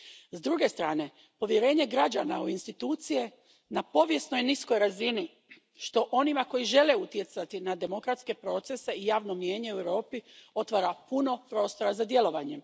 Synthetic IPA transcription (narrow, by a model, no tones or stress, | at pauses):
zd̪ɾuɡe̞st̪ɾaːne̞ | po̞ʋje̞ɾe̞ːɲe̞ɡɾad͡ʑanauinst̪it̪uːt̪sije̞ | napo̞ʋje̞sno̞jnisko̞jɾazini | ʃt̪o̞ʔo̞nimako̞jiʒe̞le̞ut̪je̞t̪sat̪inad̪e̞mo̞kɾat̪ske̞pɾo̞ːt̪se̞se̞ijaːʋno̞mije̞ːɲe̞uewɾo̞ːpio̞t̪ʋaːɾapuno̞pɾo̞ːst̪o̞ɾazad̪je̞lo̞ʋaɲe̞m